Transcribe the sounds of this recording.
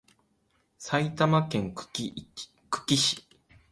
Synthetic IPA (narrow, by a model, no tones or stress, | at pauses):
sait̪amakẽ̞ŋ | kɯ̟̥kʲiɕi̥